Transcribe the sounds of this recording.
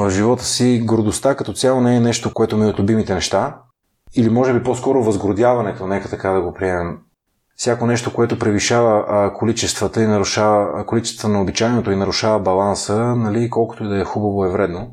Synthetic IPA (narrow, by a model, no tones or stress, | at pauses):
vəvʒivɔt̪ə̥siɡɾod̪ost̪akɐt̪ɔt̪sʲjalˠonɛːnɛʃt̪okoɛt̪omiot̪lʲʊbimit̪ɛnɛʃt̪a | ilimɔʒɛbiposkɔɾovəzɡɾod̪ʲjavɐnɛt̪onɛkət̪ɐkad̪ɐɡopɾiɛmɛm | fsʲjakonɛʃt̪okoɛt̪opɾɛviʃavəkolit͡ʃɛst̪vət̪əinɐɾuʃavəkolit͡ʃɛ̥sət̪nɐobit͡ʃaɛnot̪oinɐɾuʃavəbɐlˠansənɐlikɔlˠkʊ̥t̪oid̪ɐɛxubɐvoɛvɾɛd̪no